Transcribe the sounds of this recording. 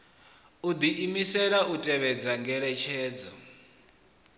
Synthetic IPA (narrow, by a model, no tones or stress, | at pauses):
ud̪iʔimisɛɺautʼɛβɛd͡zaŋɡɛɺɛt͡ʃʰɛːd͡zɔ